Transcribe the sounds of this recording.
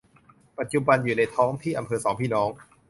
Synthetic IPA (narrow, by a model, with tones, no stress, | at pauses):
pa˨˩t̪̚t͡ɕu˨ba˧njuː˨˩na˧jt̪ʰɔː˦˥ŋt̪ʰiː˥˩ʔa˧mpʰɤː˧sɔː˩˦ŋpʰiː˥˩nɔː˦˥ŋ